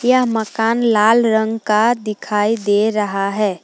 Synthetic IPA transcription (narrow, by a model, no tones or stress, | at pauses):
jəɦməkaːnlaːlɾə̃ŋɡkad̪ɪkʰaːid̪eɾəɦaɦɛː